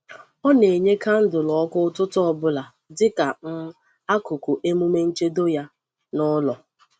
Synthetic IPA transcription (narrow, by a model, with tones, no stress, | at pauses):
ɔ˦ne˨ɲe˦ka˦n̩˦dʊ˨lɔ˨ɔ˦kʊ˦tʊ˦tʊ˦ɔ˦bʊ˦la˨ | dɪ˦ka˨m̩˦ | a˦kʊ˨kʊ˨ʔe˦mu˦me˦n̩˦t͡ʃe˦do˦ja˦ | nʊ˦lɔ˨